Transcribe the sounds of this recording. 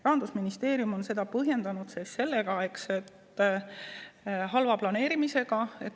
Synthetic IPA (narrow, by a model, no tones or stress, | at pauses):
rɑɑnd̪usminist̪e̞ːɾjumo̞nse̞d̪̥ɑpɤɦje̞nd̪ɑnud̪̥seːsːe̞lːeɡ̥ɑe̞kse̞t̪ː | ɦɑlvɑplɑne̞ːɾimise̞ɡ̥ɑe̞t̪ː